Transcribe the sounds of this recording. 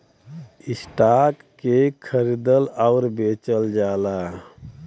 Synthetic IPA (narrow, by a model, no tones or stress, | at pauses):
isʈakːekʰəɾid̪əlaʊɾbet͡ʃəld͡ʒala